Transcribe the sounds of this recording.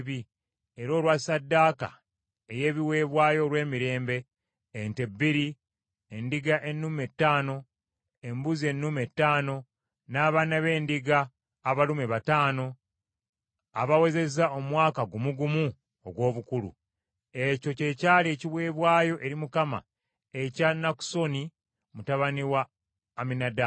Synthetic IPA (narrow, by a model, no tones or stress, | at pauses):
βi | e̞ɾo̞ːlwasadːaːka̰ | eje̞ːβiwe̞ːβwaːjo̞ɾwe̞ːmiɾe̞ːmbe̞ː | nte̞bːiɾi | endiɡaʔe̞nːume̞tːaːno̞ | embuzie̞nːume̞tːaːno̞ | naːβaːnaβe̞ːndiɡaː | βalumeβataːno̞ | a̰βawe̞ze̞zao̞mwaːkaɡumuɡumu | o̰ɡwo̞ːβukulṵ | e̞co̞ce̞caːleciβwe̞ːβwaːjo̞ʔe̞ɾimukama̰ | e̞canːaku̥so̞ni | mutaβaniwaː | minada